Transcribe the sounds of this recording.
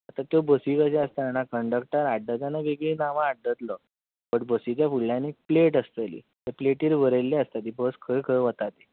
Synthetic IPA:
at̪at̪jobəsikaseəst̪aanakəɳɖək̚ʈəɾaɖːət̪anabeɡɭinaʋãːɽːət̪lɔ | pəɳbəsit͡ɕjafuɭːjãnipleʈəst̪əlḭ | t̪əpleʈiːɾʋəɾelːeəst̪at̪ibəskʰəjkʰəjʋət̪at̪i

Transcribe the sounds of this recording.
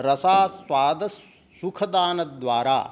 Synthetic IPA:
ɾɐsaːsʋaːd̪ɐsː | ukʰɐd̪aːnɐd̪ʋaːɾa̰ː

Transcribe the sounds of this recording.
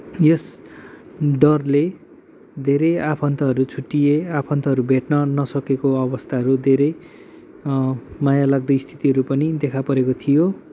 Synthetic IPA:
jes | ɖʌrle | d̪ʱeɾʌjapʰʌnt̪ʌɦʌɾut͡sʰuʈːijeapʰʌnt̪ʌɦʌɾubʱeʈnʌnʌsʌkekoʌbʌst̪ʰaɦʌɾud̪ʱeɾʌj | majalaɡ̚d̪ʌjst̪ʰi̥t̪iɦʌɾupʌnid̪ekʰapʌɾekot̪ʰijo

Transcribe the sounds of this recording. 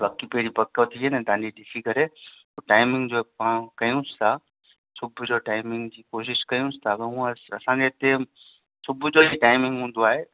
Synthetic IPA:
bɐkipɐɦɪɾipɐkət̪ʰiɦenɛt̪ɐ̃ãɲd͡ʑiɗɪsikɐɾe | oːʈaːɪmɪ̃ŋɡd͡ʑoːpãkɐjũst̪ʰa | sʊbʱʊd͡ʑoʈaːɪmɪ̃ŋɡd͡ʑiːkoːʃ̬ɪʃkɐjũsɪ̥t̪ʰabɐɦũːɐɐsãd͡ʑeɪt̪e | sʊbʱʊd͡ʑoːiʈaːɪmɪ̃ŋɡɦũːn̆d̪oaːɦeː

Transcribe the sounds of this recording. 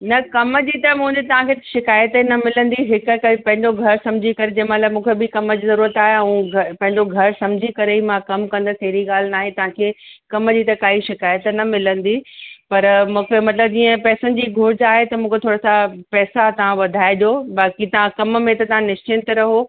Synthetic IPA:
nɐkɐmd͡ʑiːt̪ɐmũɦə̃nd̪et̪ɐʋ̤ãkʰeʃɪkaːjət̪nɐmɪlə̃nd̪iɦɪkkɐipɐ̃ɦɪ̃ɲd͡ʑoɡʱɐɾsɐ̃md͡ʑʱikɐɾed͡ʑɐ̃ɦmɐt̪lamũːkʰebɪkɐməd͡ʑiːzɐɾuːɾət̪aːɦeɐũɡɐpɐ̃ɦɪ̃ɲd͡ʑoɡʱɐɾsɐ̃md͡ʑʱikɐɾeimãkɐmkɐ̃nd̪əsɐɦɾiɠaːl̤naːɦet̪ɐʋ̤ãkʰeːkɐməd͡ʑiːt̪ɐkaːiʃɪkaːjət̪nɐmɪlə̃nd̪ipɐɾmũːkʰemɐt̪ləb̚d͡ʑiːə̃pɛːsənɪ̆d͡ʑiːɡʱoːɾɪd͡ʑaːɦet̪ɐmũːkʰet̪ʰoːɽasapɛːsat̪ɐʋ̤ãʋɐd̪ʱaːeɗjobaːkit̪ɐʋ̤ãkɐmmẽt̪ɐt̪ɐʋ̤ãnɪʃt͡ɕɪnt̪ɾɐɦo

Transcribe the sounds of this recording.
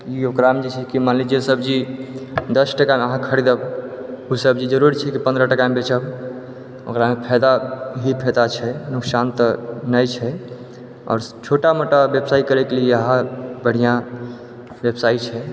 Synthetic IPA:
iokɾamd͡ʒit͡ʃʰɛkimanlid͡ʒiesəbd͡ʒi | d̪əsʈəkameəɦãkʰəɾid̪əbusəb̚d͡ʒid͡ʒəɾuɾit͡ʃʰɛkipə̃nd̪ɾəʈəkamebet͡ʃəb | o̰kɾamepʰɛd̪aɦipʰɛd̪at͡ʃʰɛnuksant̪ənəjt͡ʃʰɛ | ɔ̰ːɾt͡ʃʰoʈamoʈabjebsaikəɾɛkelieəɦãbəɽ̤ijã | bebsait͡ʃʰɛ

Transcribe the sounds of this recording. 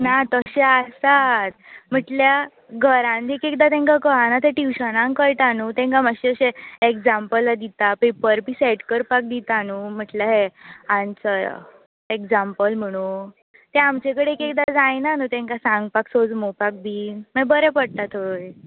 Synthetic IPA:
nat̪əɕeasat̪m̤əʈlja | ɡʱəɾãnt̪ekekd̪at̪ɛ̃ŋkakəɦanat̪eʈiwɕənãŋkəɾʈ̪anut̪ɛ̃ŋkaməɕeəɕeekd͡zampəlːad̪it̪apepəɾbiːseʈkəɾpak̚d̪it̪anum̤əʈlaɦeãnt͡səɾ̰ | ekd͡zampəlm̤əɽ̃ũ | t̪eamt͡ɕekəɽeekek̚d̪ad͡zajnanut̪ɛ̃ŋkasãŋɡpaksod͡zmopak̚bʱiːməbəɾepəɽt̪at̪ʰoj

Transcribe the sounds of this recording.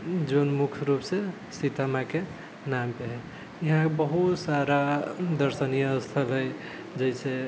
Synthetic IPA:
d͡ʒonmukʰɾupse | sit̪amake | nampeɦɛ | jəɦãebəɦut̪saɾad̪əɾsənijəːst̪ʰəlɦəj | d͡ʒəɪse

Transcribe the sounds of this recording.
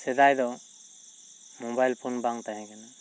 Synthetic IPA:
sɛd̪ajd̪ɔ | mɔbajlpʰunbaŋt̪aɦɛ̃kana

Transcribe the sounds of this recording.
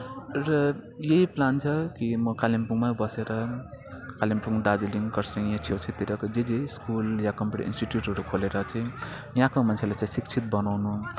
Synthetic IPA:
rʌjeɦiplant͡sʰʌkimʌkalimpuŋmabʌseɾʌ | kalimpuŋd̪ad͡ziliŋkʌrsiŋjãt͡sʰowt͡sʰit̪iɾʌkd͡zed͡ziskuljakʌmpuʈḭḭnsʈiʈjuʈʌɾukʰoleɾʌt͡saĩ | jãkomant͡sʰelajt͡saj̃sikt͡sʰit̪̚bʌnawnu

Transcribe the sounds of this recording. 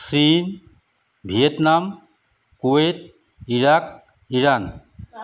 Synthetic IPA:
sin | bʱiet̪nam | kuet̪̚ | iɾak̚ | iɾan

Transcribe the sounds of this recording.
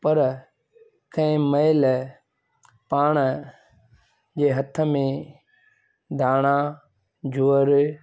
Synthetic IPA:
pɐɾ | kʰɐ̃ɪ̃məɪl | paːɽ̃ə | d͡ʑeːɦɐt̪ʰə̆mẽ | d̪ʱaːɽ̃a | d͡ʑoːəɾ

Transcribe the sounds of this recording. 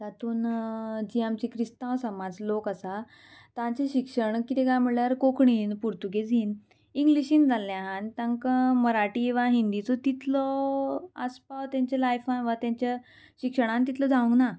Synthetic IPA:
d͡zat̪uːnd͡ʑiamt͡ɕikɾist̪ãwsəmad͡zlokasa | t̪ãt͡ɕeɕikʂəɳkit̪ʰɛkam̤iɭljaɾkokɳiːnpuɾt̪uɡed͡ziːn | ĩŋɡliɕĩːnd͡zʱalːjãɦant̪ãŋkəməɾaʈiʋaɦind̪it͡sɔt̪it̪lɔ | ə̰spawt̪jaɲt͡ɕelajfãnʋat̪jãɲt͡ɕja | ɕikʂəɽ̃ãnt̪it̪lɔd͡zaʋə̃ŋkna

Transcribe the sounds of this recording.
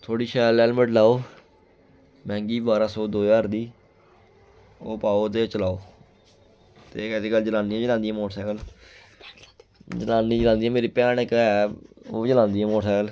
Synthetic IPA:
t̪ʰoːɽiːʃɛːlɛːlməʈlaːoː | mɛ̃ːŋɡiːbaːɾãːsɔːd̪oːjaːɾd̪iː | oːpaːoːt̪eːt͡ʃəlaːoː | t̪eːkɛseːɡəld͡ʒəlãːndiːɛ̃ːd͡ʒəlãːnd̪ĩːɛ̃ːmoːʈsɛːkəl | d͡ʒəlãːnd̪ĩːd͡ʒəlãːnd̪iːɛ̃ːmeːɾiːpɛːnɪkɛːoːd͡ʒəlãːnd̪iːɛ̃ːmoːʈsɛːkəl

